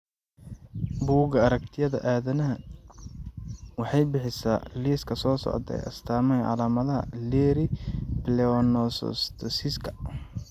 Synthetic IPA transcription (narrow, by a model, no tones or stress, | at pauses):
buːɡɐɐɾɐk̚t̪ʰɪjɐðɐ̰ʔaːðɐnɐɦɐ | wɑħɑjbɪħɪsa̰ːliːskʰɐsɔːsɔ̰ʕd̪ɛ̰jɐ̰st̪ʰaːmɐjʕɑ̰laːmɐðɐɦɐ̰lɛːɾɪplɛɔnɔsɔ̰st̪ʰɔsɪskʰɐ̥